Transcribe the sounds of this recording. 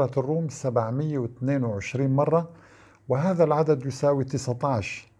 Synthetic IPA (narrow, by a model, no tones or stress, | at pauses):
ɑrːuːmsabʕmɪjːawɪt̪neːnwɪʕɪʃɾiːnmɑrˤːɑ | wɪɦaːðalʕad̪ad̪jʊsaːwit̪ɪsʕt̪ɑːʕʃ